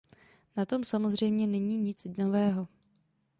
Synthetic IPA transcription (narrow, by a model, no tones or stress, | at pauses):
nat̪o̞msamozr̝ɛjmɲɛnɛɲiːɲɪt͡snovɛːɦo